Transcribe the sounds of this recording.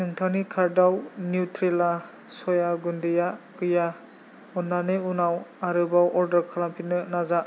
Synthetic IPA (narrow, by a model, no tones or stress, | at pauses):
nɯŋtʰanikʰaɾdawnjutɾela | sɔjaɡundijakɯja | ɔnːaneunawaɾɯbawʔɔɾdəɾkʰalampʰinɯnaza